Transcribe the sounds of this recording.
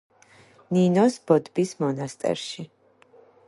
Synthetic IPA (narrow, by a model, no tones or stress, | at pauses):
ninɔsb̥ɔd̪bismɔnast̪ʼɛ̰ɾʃi